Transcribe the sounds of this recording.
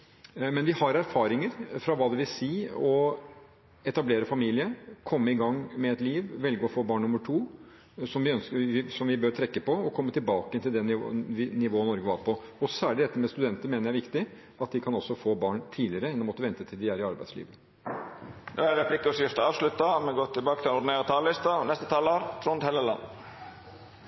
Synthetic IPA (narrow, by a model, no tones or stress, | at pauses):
mɛnʋɪhɑɾæɾfɑːɾɪŋəɾfɾɑʋɑːd̪ɛʋɪlsiːɔ | ɛt̪ɑbleːɾəfɑmiːlɪəkʰɔmːəɪɡɑŋːmɛɛt̪liːʋʋɛlɡəɔfoːbɑːɳnʊmːəʈʰuː | sɔmʋɪœnskəʋɪsɔmʋɪbøːɾt̪ʰɾɛkːəpɔɔkʰɔmːət̪ɪlbɑːkəənt̪ʰɪld̪ɛnɪ̰ʋɪnɪʋoːənɔɾɡəʋɑɾpʰɔɔsæːɭɪd̪ɛt̪ːəɾmɛst̪ʉd̪ɛnt̪əɾmeːnəɾjæɪʋɪkt̪ɪ | ɑt̪d̪ɪkʰɑnɔsːɔfoːbɑːɳt̪ʰiːdlɪəɾəɛnːɔmɔt̪ːəʋɛnt̪ət̪ʰɪld̪ɪæːɾɪɑɾbæ̰ɪslḭːʋə | noːæɾɾɛpʰlɪkːʊsɪft̪əɑːʋslʉt̪ːɑmɛɡoːt̪ʰɪlbɑːkə̥t̪ɪlɛnʊɖɪneːɾɑt̪ʰɑːllɪst̪ɑnɛst̪ət̪ʰɑːloːɾt̪ʰɾʊnt̪hɛləlɑ̰n